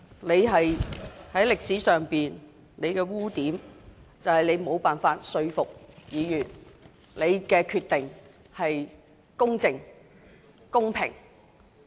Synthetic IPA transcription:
ne˨˧jɦɐ˨jhɐ˨˥jlɪ˨k̚siː˨˥sœː˨ŋpiː˨n | le˨˧jkɛː˧wuː˥t̪iː˨˥mt͡sɐ˨whɐ˨jne˨˧jmo˨˧wpaː˨nfaː˧t̚sɵ˧ɥfʊ˨k̚jiː˨˧jyː˨t̚ | le˨˧jkɛː˧kʰyː˧t̪ːɪ˨ŋ | hɐ˨j | kʊ˥ŋt͡sɪ˨˩ŋ | kʊ˥ŋpʰɪ̰˨˩ŋ

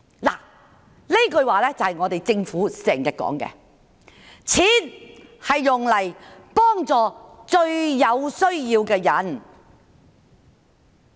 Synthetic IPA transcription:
la̰ː˨˩ | le˥kɵ˧ɥwaː˨˩lɛː˥t͡sɐ˨whɐ˨jŋɔː˨˧t̪e˨˩jt͡sɪ˧ŋfuː˨˥sɛː˨˩ŋjɐ˧kɔ̰ː˨˥ŋkɛ̰˧ | t͡sʰiː˨˥nhɐ˨jːʊ˨ŋlɐ˨˩jpɔː˥ŋt͡sɔː˨t͡ʃɵ˧ɥjɐ˨˧wsɵ˥ɥjiː˧wkɛː˧jɐ˨˥n

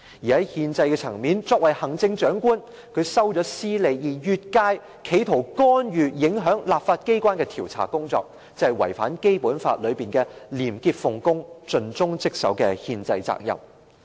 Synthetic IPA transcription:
jiː˨˩hɐ˨˦˥jhiː˧nt͡sɐ˧jkɛ˧t͡sʰɐ˨˩ŋmiː˨˥nt͡sɔː˧k̚wɐ˨˩jhɐ˨˩ŋt͡sɪ˧ŋt͡ʃœː˨˥ŋkuː˥n | kʰɵ˨˧ɥsɐ˥wt͡ʃɔː˨˥siː˥le˨˧jjiː˨˩jyː˧t̚kaː˧˥j | kʰe˨˥jt̪ʰo˨˩wkɔː˥njyː˨˩jɪ˨˥ŋɦœː˨˥ŋlaː˨p̚faː˧t̚ke˥jkʷaː˥nkɛː˧t̪ʰiː˨˩wt͡sʰa̰ː˨˩kʊ˥ŋt͡sɔ̰ː˧k̚ | t͡sɐ˧hɐ˨jwɐ˨˩jfa̰ː˨˥nke˥jpuː˨˥nfa̰ː˧t̚lɵ˨˧ɥpiː˨nkɛː˧liː˨˩mkiː˧p̚fʊ˨˩ŋkʊ˥ŋt͡ʃɵ˧nt͡sʊ˥ŋt͡sɪ˥k̚sɐ̰˨˥wkɛ̰˧hiː˧nt͡sɐ˧jt͡sa̰ː˧k̚jɐ̰˨˩m

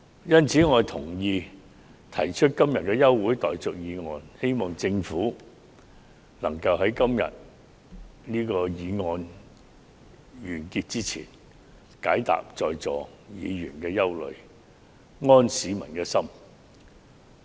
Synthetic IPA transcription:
jɐ˥nt͡sʰiː˨˥ŋɔː˨˧jt̪ʰʊ˨˩ŋjiː˧ | t̪ʰɐ˨˩jt͡ʃʰɵ˥t̚kɐ˥mjɐ˨t̚kɛː˧jɐ˥wːuː˨˥jt̪ɔː˨jt͡sʊ˨k̚jiː˨˧ŋɔː˧nhe˥jmɔː˨ŋt͡sɪ˧ŋfuː˨˥ | lɐ˨˩ŋkɐ˧wɦɐ˨˥jkɐ˥mjɐ̰˨t̚ | niː˥kɔː˧jiː˨˧ŋɔː˧n | jyː˨˩nkiː˧t̚t͡siː˥t͡sʰḭː˨˩n | kaː˨˥jt̪a̰ː˨p̚t͡sɔː˨˧jt͡sɔː˨ | jiː˨˧jyː˨˩nkɛː˧jɐ˥wlɵ̰˨ɥ | ŋɔː˥nsiː˨˥mɐ˨˩nkɛː˧sɐ˥m

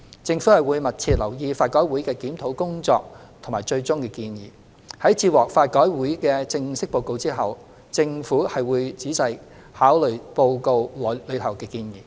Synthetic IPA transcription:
t͡sɪ˧ŋfu˨˥hɐ˨jwuː˨˧jmɐ˨t̚t͡sʰiː˧t̚lɐ˨˩wjiː˧faː˧t̚kɔː˨˥jwuː˨˥jkɛː˧kiː˨˥mt̪ʰo˨˥wkʊ˥ŋt͡sɔ̰ː˧k̚t̪ʰʊ˨˩ŋmaː˨˩jt͡ʃɵ˧ɥt͡sʊ˥ŋkɛː˧kiː˧njiː˨˩ | hɐ˨˥jt͡siː˧wɔː˨˩k̚faː˧t̚kɔː˨˥jwuː˨˥jkɛː˧t͡sɪ˧ŋsɪ˥k̚po˧wko˧wt͡siː˥ɦɐ˨w | t͡sɪ˧ŋfuː˨˥hɐ˨jwuː˨˧jt͡siː˨˥sɐ˨j | haː˨˥wlɵ˨˩ɥpo˧wko˧wllɵ˨˧ɥt̪ʰɐ˨˩wkɛː˧kiː˧njiː˨˩

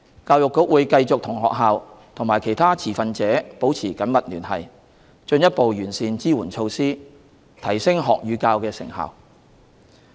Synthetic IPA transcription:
kaː˧wjʊ˨kːʊ˨˥k̚wuː˨˧jkɐ˧jt͡sʊ˨k̚t̪ʰʊ˨˩ŋɦɔ̰ː˨k̚ɦaː˨w | t̪ʰʊ˨ŋmaː˨˩jkʰe˨˩jt̪ʰaː˥t͡sʰiː˨˩fɐ˧nt͡sɛː˨˥po˨˥wt͡sʰiː˨˩kɐ˨˥nmɐ˨t̚lyː˨˩nhɐ̰˨˩j | t͡ʃɵ˧njɐ˥t̚po˨wjyː˨˩nsiː˧nt͡siː˥wuː˨˩nt͡ʃʰo˧wsiː˥ | t̪ʰɐ˨˩jsɪ˥ŋɦɔː˨k̚jyː˨˧kaː˧wkɛː˧sɪ̰˨˩ŋha̰˨w

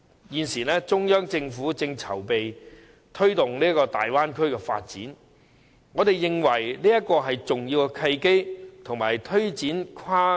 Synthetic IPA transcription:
jiː˨˧nsiː˨˩lɛː˥t͡sʊ˥ŋjœː˥ŋt͡sɪ˧ŋfuː˨˥t͡sɪ˧ŋt͡sʰɐ̰˨˩wpe˨j | t̪ʰɵ˥ɥt̪ʊ˨ŋliː˥ɐ˥kɔː˧t̪a̰ː˨jwaː˥nkʰɵ˥ɥkɛː˧fa̰ː˧t̚t͡sḭː˨˥n | ŋɔː˨˧t̪e˨jjɪ˨ŋwɐ˨˩jliː˥jɐ˥t̚kɔː˧ɦɐ˨jt͡sʊ˨ŋjiː˧wkɛ˧kʰɐ˧jke˥jt̪ʰʊ˨ŋmaː˨˩jt̪ʰɵ˥ɥt͡siː˨˥nkʰaː˥

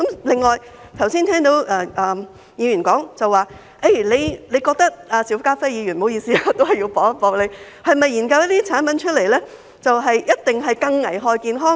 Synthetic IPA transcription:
kɐ˨˥mlɪ˨ŋːɔː˨j | t̪ʰɐ˨˩wsiː˥nt̪ʰɛː˥ŋt̪o˨˥wʔɐː˧ʔɐː˨ | jiː˨˧jyː˨˩nkɔː˨˥ŋt͡sɐ˨wːaː˨ | ʔe˥˩jle˨˧jle˨˧jkɔː˧k̚t̪ɐ˥k̚ʔaː˧si˨˥wkaː˥fɐ˥jiː˨˧ɥyː˨˩nmo˨˧wjiː˧siː˥a˧t̪o˥whɐ˨˩ji˧wpɔː˨˥ŋɐ˥pɔː˨˧k̚le˨˧j | hɐ˨jmɐ˨jːiː˨˩nkɐ˧wjɐ˥t̚t̪iː˥t͡sʰaː˨˥npɐ˨˥nt͡ʃʰɵ˥t̚le˨˩jlɛː˥ | t͡sɐ˨wɦɐ˨jjɐ˥t̚t̪ɪ˨ŋɦɐ˨jkɐ˧ŋnɐ˨˩jɦɔː˨jkiː˨˧nɦɔː˥ŋ

